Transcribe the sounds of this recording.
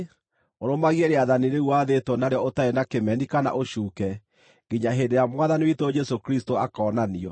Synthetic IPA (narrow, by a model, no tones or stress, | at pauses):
oɾomaɣiɛɾeaðaniɾeuwaðetwɔnaɾeɔotaenakemɛnikana̰ʔoʃuːkɛ | ɡiɲaɦeːndeɾjamwaðaniwitod͡ʒɛsokɾistoakɔnaniɔ